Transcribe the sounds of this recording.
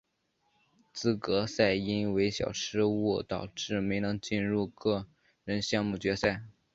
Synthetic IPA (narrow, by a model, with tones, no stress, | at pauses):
t͡sɹ̩˥˩kɤ˧˥sa˥˩ɪi˥nwe˧˥ɪɕjɑ̰˨˩ʊʈ͡ʂʰɻ̩˥wu˥˩t̪ɑ˨˩ʊʈ͡ʂɻ̩˥˩me˧˥ɪnɤ˧˥ŋt͡ɕi˥˧nɻu˥˧kɤ˥˩ | ɻə˧˥nɕjɑ˥˧ŋmu˥˩t͡ɕɥɛ˧˥sa˥˩ɪ